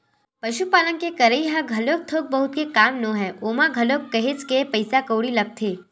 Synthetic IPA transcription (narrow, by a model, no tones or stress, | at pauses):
pɐʃupaːlənkekɐɾəiɦãɡʱɐloːk̚t̪ʰoːk̚bəɦʊt̪̚kekaːmnõɦɛːʔomãɡʱɐlokːɐɦet͡ʃkepɐjsakəwɽilɐk̚t̪ʰeː